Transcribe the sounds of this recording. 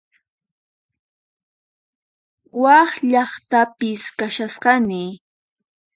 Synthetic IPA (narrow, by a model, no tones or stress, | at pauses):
wɑχʎɑχt̪apɪskaʃasqɑnɪ